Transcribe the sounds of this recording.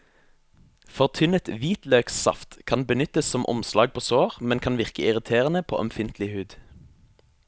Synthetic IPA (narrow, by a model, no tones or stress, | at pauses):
fɔʁt̪ʰʏnət̪ʋiːt̪løːksɑ̰ft̪kʰɑnbənʏt̪əssɔmʔɔ̰mslɑːɡ̚pʰoːsoːʁmɛnkʰɑnʋɪʁkəɪʁɪt̪ʰeːʁənəpʰo̰ːʔɛmfɪnt̪ʰlɪhʉːd̪